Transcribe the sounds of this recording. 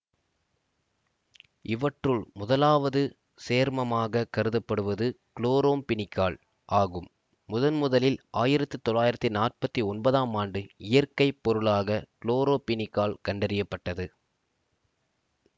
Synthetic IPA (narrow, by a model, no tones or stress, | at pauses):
ɪʋɐʈrɯɭmʊðɐlaːʋɐðɯ | seːɾmɐmaːɣɐkɐɾɯðɐpːɐɽɯʋɐðɯkɭoːɾoːmpɪnɪkːaːɭ | ʔaːɣɯmː | ʊðɐnmʊðɐlɪlʔaːjɪɾɐt̪ːɯt̪ɔɭːaːjɪɾɐt̪ːinaːr̚pɐt̪ːiɔnbɐðaːmaːɳɖɯɪjɐrkɐɪpːɔɾɯɭaːɣɐkɭoːɾoːpɪnɪkːaːɭkɐɳɖɐɾɪjɐpːɐʈːɐðɯ